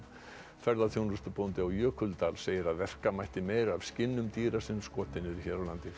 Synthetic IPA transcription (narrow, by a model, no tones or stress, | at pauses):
fɛɾðaθʰjownɾʏst̪ʏpownt̪ɪawjœːkʰʏlt̪aːlseːjɪɾaðvɛr̥kamajht̪ɪmeːjɾavscɪnːʏmt̪iːɾasɪnskɔːt̪ɪnʏɾiçɛɾawlant̪ɪ